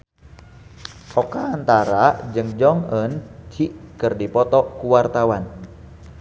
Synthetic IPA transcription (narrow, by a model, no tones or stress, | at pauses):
ɔkaːnt̪aɾad͡ʒɨŋd͡ʒɔŋənt͡ʃiʔkɨrdipɔt̪ɔkuwart̪awan